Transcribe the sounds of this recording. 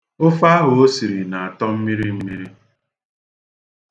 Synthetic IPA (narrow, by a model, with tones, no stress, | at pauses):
ʊ˦fa˦ɦʊ˨o˦si˨ɾi˨na˨a˨tɔ˦m̩˦mi˦ɾi˦m̩˦mi˦ɾi˦